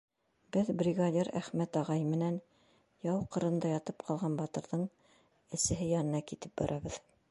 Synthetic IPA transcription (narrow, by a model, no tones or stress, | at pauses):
b̥ɘðbrʲiɡadʲeɾæ̰χmæt̪ɑʁɑjmɘ̆næn | jɑwqɤ̆ɾɤ̆nd̪ɑjɑt̪ɤpqʰɑlˠʁɑnbɑt̪ɤ̆ɾðɤɴ | ɘ̆sɘ̆ɦɘjɑnɤ̆nɑkit̪ɘp̚bɑ̰ɾʔɑβɤð